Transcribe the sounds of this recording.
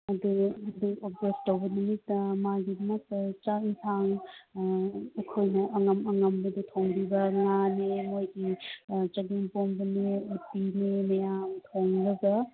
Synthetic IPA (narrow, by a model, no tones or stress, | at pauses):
ɐd̪uɐd̪uop̚d͡ʒestowbɐnumitmaɡidmɐkt͡ʃaitʰaŋ | ekʰojnɐʔɐŋɐmɐŋɐmbɐd̪utʰoŋbibɐŋanemojɡit͡ʃɐɡiŋpombɐneutinemɐjamtʰoŋlɐɡɐ